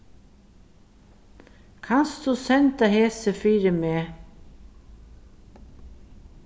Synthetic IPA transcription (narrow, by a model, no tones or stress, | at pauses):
kʰɑnsd̪ʉːsɛnt̪əheːsəfiːɾəmeː